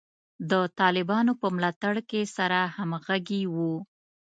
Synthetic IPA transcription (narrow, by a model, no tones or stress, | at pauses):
d̪ət̪ɑlɪbɑnopəmlɑt̪aɽkesaɾahamɣaɡiwu